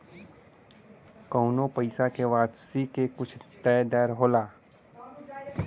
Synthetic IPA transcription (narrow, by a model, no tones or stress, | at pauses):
kɔːnõpəɪsakeʋaːpsikekʊt͡ʃʰt̪ɛːjd̪ɛːɾɦoːlaː